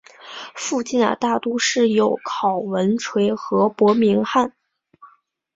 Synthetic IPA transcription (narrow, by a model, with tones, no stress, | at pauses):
fu˥˧t͡ɕi˥˩nd̪ə̰˩t̪a˥˩t̪u˥ʂɻ̩˥˩jo˧˥ʊkʰɑ˨˩ʊwə˧˥nʈ͡ʂʰwe˧˥ɪxɤ˧˥pwɔ˧˥mi˧˥ŋxa˥˩n